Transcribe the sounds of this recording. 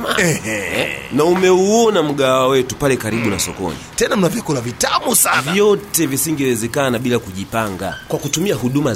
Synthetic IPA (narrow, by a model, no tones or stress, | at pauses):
aɛ | naumɛuɔnam̩ɠaawɛtupalɛkaɾiɓunasɔkɔ̰nḭtɛnam̩navjɛkulavitamusavjɔtɛvisiŋɡɛwɛzɛkanaɓilakuʄipaŋɡa̰kwakutumiaɦuɗuma